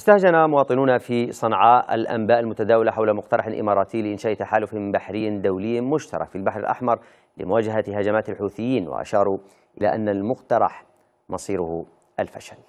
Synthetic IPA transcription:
ʔɪst̪ahd͡ʒanamʊwɑːt̪ˤɨnuːnafisˤɑnʕaːʔa̰lʔa̰mbaːʔalmʊt̪ad̪aːwalaħawlamʊqt̪ɑɾˤɑħlʔɪ̰mɑːɾˤɑːt̪ʰɪːlɪʔɪnʃaːʔt̪aħaːlʊfɪbaħɾɪjːd̪awlɪjːmʊʃt̪ɑ̰ɾˤɑ̰kfilbaħɾɪlʔa̰ħmɑɾˤ | lɪ̰mʊwaːd͡ʒaɦahad͡ʒamaːt̪alħuːθɪjːiːnwɪ̰ʔa̰ʃɑːɾˤu | ʔɪla̰ʔanːalmʊqt̪ɑɾˤɑ̰ħ | mɑsˤiːɾʊh | ʔalfaʃal

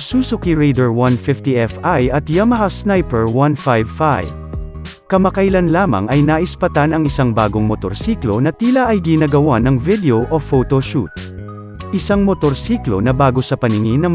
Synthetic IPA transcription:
suːsokiɹɛjd̪ɛɹwɐnfɪft̪iɛfajɐt̪jɐmɐɦasnajpɛɹwanfajvfajv | kɐmɐkɐjlanlaːmɐ̰ŋɐjnaʔɪspɐt̪anɐŋɪsaŋbaːɡoŋmot̪oɾsiːklo̞nɐt̪iːlɐʔɐjɡɪnaɡɐwanɐŋvɪd̪ɛoʔofot̪oʃṵt̪̚ | ʔɪsaŋmot̪oɾsiːklo̞̰nɐbaːɡo̞sɐpɐnɪŋinɐ

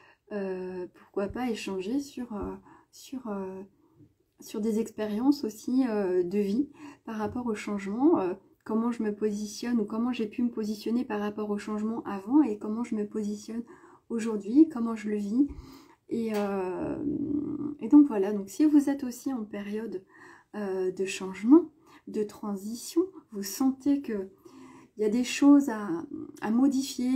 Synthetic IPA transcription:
øpuʁkwapaeʃɑ̃ʒesyʁøsyʁø | syʁd̪ezɛkspeʁjɑ̃sosiød̪əvipaʁːapɔʁoʃɑ̃ʒmɑ̃ø | kɔmɑ̃ʒəməpozisjɔnukɔmɑ̃ʒepyməpozisjɔnepaʁːapɔʁoʃɑ̃ʒmɑ̃ʔavɑ̃ekɔmɑ̃ʒəməpozisjɔn | oʒuʁd̪ɥikɔmɑ̃ʒələvi | eø | ed̪ɔ̃kvwalad̪ɔ̃ksivuzɛt̪osiɑ̃peʁjɔd̪ | ød̪əʃɑ̃ʒmɑ̃ | d̪ət̪χɑ̃zisjɔ̃vusɑ̃t̪ekə | iljad̪eʃozaa̰mɔd̪ifje

